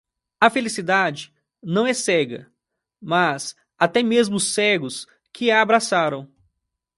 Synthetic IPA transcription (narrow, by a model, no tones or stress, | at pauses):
ɐfelisid̪ad͡ʒɪ | nɐ̃w̃ɛsɛɡɐ̰ | mas | at̪ɛmezmʊsɛɡʊs | kʰɪaːbɾasaɾɐ̃w̃